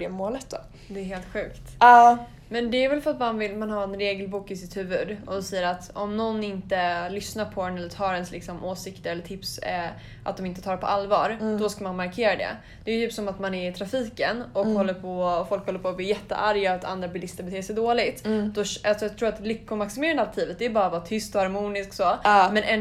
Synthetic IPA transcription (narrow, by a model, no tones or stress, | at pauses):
ɖɛmoːlət̪̚d̪ɔ̰ | d̪ɛːɦeːlt̪ɧʉ̟ːktt̪ɑː | mɛnd̪ɛæɾvɛlfœat̪manvɪlmanhaɾɛnɾeːɡəlbuːkɪsɪt̪hʉ̟ːvɵd̪ʔɔsɛjːəɾat̪ɔmnɔnːɪnt̪əlʏsnaɾpʰɔɛnɛlːət̪ʰɑːɾɛnslɪ̰ksɔmʔoːsɪkt̪əɾɛlːəʈ̪ʰɪps | ʔa̰t̪d̪ɔmɪnt̪ət̪ʰɑːɖpʰɔ̰ʔalːvɑːɾd̪ɔskamanmaɾkʰeːɾad̪ɛ̰ | d̪̥ɛjʏt̪yːpsɔmat̪manɛɾɪt̪ʰɾafiːkənɔkhɔlːəɾpʰɔfɔlkhɔlːəpʰɔːb̪lɪːjɛt̪ːə̰ʔaɾjaːt̪ʰa̰nd̪ɾabɪlɪst̪əɾbɛt̪ʰeːsɛjd̪oːlɪt̪d̪̥ɔalsɔjɑɡt̪ʰɾuːɾat̪lʏkːʊmaksɪmeːɾand̪at̪ʰiːvət̪̚d̪ɛjbɑːɾavɑːt̪ʰʏst̪ɔhaɾmuːnɪsksɔmɛnʔɛn